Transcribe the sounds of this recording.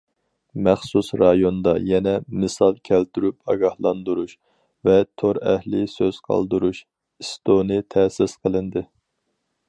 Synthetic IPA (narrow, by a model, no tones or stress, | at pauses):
mɛχsusɾɑjond̪ɑjɛnɛmɨsɑlˠkʲʰælt̪yɾypɑɡɑhlˠɑnd̪uɾuʃ | vɛt̪ʰoɾɛhlɪsøz̥qʰɑ̰lˠd̪uɾuʃ | ist̪onɨt̪ʰɛsɪsqʰəlˠɨnd̪ɨ